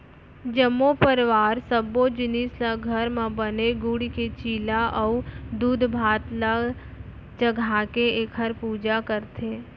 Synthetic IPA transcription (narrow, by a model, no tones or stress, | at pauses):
d͡ʒəmːopəɾʋaːɾsəbod͡ʒɪnislaɡʱəɾmãbəneɡʊɽiket͡ʃiːlaʔəud̪uːd̪ʱbʱaːt̪la | t͡ʃəɡʱakeeːkʰəɾpuːd͡ʒakəɾt̪ʰe